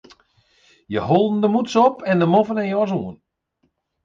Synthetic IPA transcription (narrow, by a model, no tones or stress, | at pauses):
jəholˠdn̩dəmutsɔpɛndəmofənɛnjɔsuən